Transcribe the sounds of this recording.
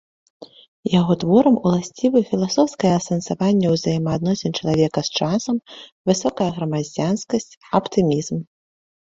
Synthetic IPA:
jaɣɔt̪vɔɾɐmulˠasʲt͡sʲivɨfʲilˠasɔwskɐjɐɐsɐnsavanʲːɐwzajɛmɐːd̪nɔsʲɛnt͡ʂɐlˠavʲɛkɐst͡ʂasɐmvɨsɔkɐjɐɣɾɐmad͡zʲanskɐsʲt͡sʲɐpt̪ɨmʲizm

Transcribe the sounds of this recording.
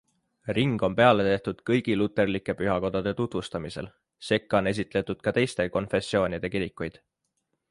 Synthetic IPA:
riŋɡ̥o̞mpe̞ɑle̞t̪e̞ht̪ud̪̥kɤjɡ̥ilut̪ːˑe̞rlikːˑe̞pyɦɑko̞d̪̥ɑd̪̥e̞t̪ut̪vust̪ɑmise̞̰l | se̞kˑːone̞s̬it̪ˑle̞t̪ːud̪̥̚kɑt̪e̞jst̪e̞ko̞nfe̞sːo̞ːnʲid̪̥e̞kiɾikːˑujd̪̥

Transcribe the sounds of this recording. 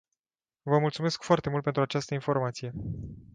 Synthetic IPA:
vəmult̪sume̞skfoart̪e̞mult̪̚pent̪ɾuat͡ʃast̪əinfo̞rmat̪sije̞

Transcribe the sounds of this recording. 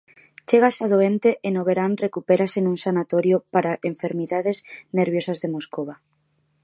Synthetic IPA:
t͡ʃeɣ̞asaðoent̪eʔenoβ̞eɾanrekupeɾasenũŋsanat̪oɾjopaɾaʔeɱfeɾmiðaðezneɾβjosazðemoskoβ̞a

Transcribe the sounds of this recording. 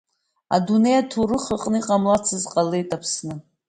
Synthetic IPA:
a̰dune̞jatʰurɨχəqʼnɨiqʼamlat͡sʰɨzqʼalejtʼapʰsnɨ

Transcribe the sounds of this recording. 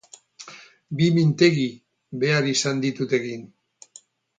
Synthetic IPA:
bimint̪e̞ɣi | be̞aɾisand̪it̪ut̪e̞ɣin

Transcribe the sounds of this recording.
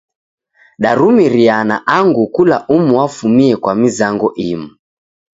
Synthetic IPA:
ɗaɾumiɾianaʔaŋɡukulaʔumuafumiɛkwamizaŋɡɔʔimu

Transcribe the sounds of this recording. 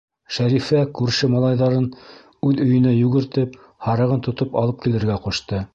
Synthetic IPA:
ʃæɾifækʉɾʃɘmɑlˠɑjðɑɾɤn | ʉðɵ̆jɘ̆næjʉɡɘ̆ɾt̪ɘp | hɑɾɤ̆ʁɤnt̪ŏt̪opɑ̰lˠɤp̚kilɘ̆ɾɡæquʃt̪ɤ

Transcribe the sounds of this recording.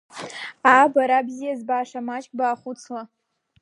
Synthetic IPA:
abaɾabzijazbaːʂamat͡ʃʼkʼbaːχʷut͡sʰla

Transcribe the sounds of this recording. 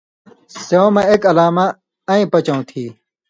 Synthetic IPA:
seõmɐ̃ekɐlaːma | ɐ̃ĩpɐt͡ɕɐ̃ũt̪ʰiː

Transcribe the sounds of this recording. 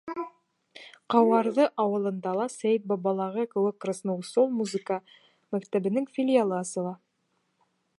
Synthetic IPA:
qɑwɑɾðɤʔɑwɤ̆lˠɤ̆nd̪ɑlˠɑsæjt̪̚bɑβɑlˠɑʁɤkɘ̆wɘkːrasnowsolˠmuzɨkə | mækt̪æβɘ̆nɘŋfʲilʲɪjalˠɤɑsɤ̆lˠɑ

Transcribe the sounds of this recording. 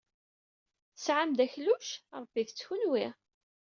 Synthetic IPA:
θəsʕamd̪æçluʃɾˤəb̥ːiðət͡sːçunwi

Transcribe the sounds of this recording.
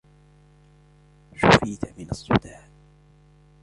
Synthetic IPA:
ʃʊfiːt̪amɪnɑsˤːʊ̰d̪aː

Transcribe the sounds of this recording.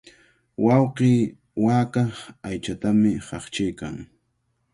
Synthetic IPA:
wɑwqiː | waːkɑχajt͡ʃat̪amɪhɑχt͡ʃɪjka̰ŋ

